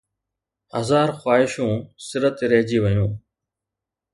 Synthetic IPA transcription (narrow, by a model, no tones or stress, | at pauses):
həzaːɾxwaːɪʃũːsɪɾət̪eɾeɦd͡ʒiːʋəjũː